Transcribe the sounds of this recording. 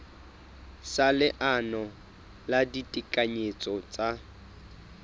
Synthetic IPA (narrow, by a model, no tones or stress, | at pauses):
salɪʔanɔ | laditʼikʼaɲet͡sʼɔt͡sʼa